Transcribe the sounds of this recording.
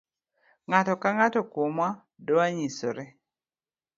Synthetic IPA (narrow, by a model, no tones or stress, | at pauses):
ŋatɔkaŋatɔkwomwa | dɔaɲiso̰ɾɛ